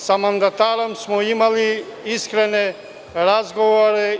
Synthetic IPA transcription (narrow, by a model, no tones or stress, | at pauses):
sɐmɐnd̪ɐt̪aɾɐmsmuimaliiskɾene | ɾazɡɔʋaɾe